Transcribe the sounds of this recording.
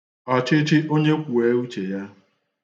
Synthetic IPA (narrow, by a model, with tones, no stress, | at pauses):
ɔ˨t͡ʃɪ˦t͡ʃɪ˦ʔo˦ɲe˦kʷu˨e˨˦u˦t͡ʃe˨ja˦